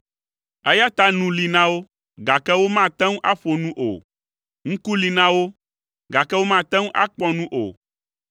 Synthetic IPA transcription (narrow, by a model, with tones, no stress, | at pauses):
ɛ˦ja˦t̪a˦nũ˦li˨nã˦wo˦ | ɡa˨kɛ˦wo˦mã˦˨t̪ɛ̃˦ŋũ˦ʔa˦ɸo˨nũ˦ʔo̰˨ | ŋ̩̃˦ku˦li˨nã˦wo˦ | ɡa˨kɛ˦wo˦mã˦˨t̪ɛ̃˦ŋũ˦ʔa̰˦k͡pɔ˦nũ˦ʔo̰˨